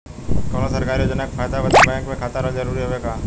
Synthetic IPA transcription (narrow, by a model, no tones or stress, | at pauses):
konosəɾkaːɾiod͡ʒənəkfʰaːjd̪abəd̪ebɛ̃ːkmẽkʰaːt̪aɾəlzəɾuːɾiɦoʋeɡaː